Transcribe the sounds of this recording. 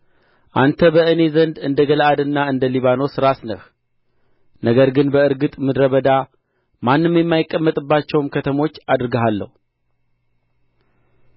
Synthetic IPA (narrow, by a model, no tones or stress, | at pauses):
ʔant̪ʰəbəɨne̞zənd̪ɨnd̪əɡəlʔad̪ɨnːaɨnd̪əliβano̞sɨɾasnəh | nəɡəɾɡɨnbəɨɾɡɨt̪ʼmɨd̪ɾəβəd̪a | manːɨmjɛmːajɪkʼːəmːət̪ʼɨbːat͡ʃːɛwmkʰət̪ʰəmo̞t͡ʃːad̪ɾɨɡəɦalːə̰hu